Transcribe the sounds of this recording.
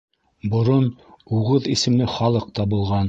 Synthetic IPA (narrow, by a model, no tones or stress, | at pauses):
bŏɾonuʁɤðisɘ̆mnɘχɑlˠɤq̚t̪ɑbulˠʁɑn